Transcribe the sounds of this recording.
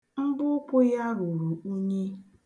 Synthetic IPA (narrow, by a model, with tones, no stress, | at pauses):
ŋ͡m̩˦bʊ˦kʷʊ˦ja˦ɾu˨ɾu˨u˦ɲe˦